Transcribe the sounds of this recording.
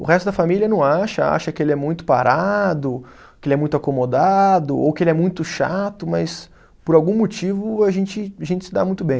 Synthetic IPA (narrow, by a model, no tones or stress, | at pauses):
ʊhɛst̪ʊd̪ɐfamiliɐnɐ̃w̃aʃɐa̰ʃɐkɪelɪɛmũj̃t̪ʊ̥pa̰ɾad̪ʊ | kɪelɪɛmũj̃t̪ʊakomod̪ad̪ʊo̰wkɪelɪɛmũj̃t̪ʊʃa̰t̪ʊmɐs | pʊɾawɡũmot͡ʃivʊaʒẽnt͡ʃɪaʒẽnt͡ʃɪ̥sɪd̪a̰mũj̃t̪ʊbẽj̃